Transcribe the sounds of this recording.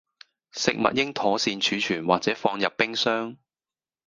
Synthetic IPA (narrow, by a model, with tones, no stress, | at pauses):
sɪ˨k̚mɐ̰˨t̚jɪ˥ŋt̪ʰɔː˨˥siː˧nt͡ʃʰyː˨˥t͡ʃʰyː˨˩nwaː˨k̚t͡sɛː˨˥fɔː˧ŋjɐ˨pːɪ˥ŋsœː˥ŋ